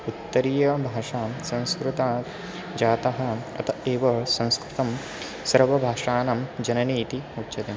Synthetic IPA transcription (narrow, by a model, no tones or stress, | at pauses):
ut̪ːɐɾiːjɐbʱaːʂaːsɐ̃ñskɾut̪aː | d͡ʒaːt̪ɐɦɐ̆ɐ̰t̪ʰɐeːʋɐsɐ̃ñskɾut̪ɐm | sɐɾʋɐbʱaːʂaːnɐmd͡ʒɐnɐniːt̪iutːʃɐt̪e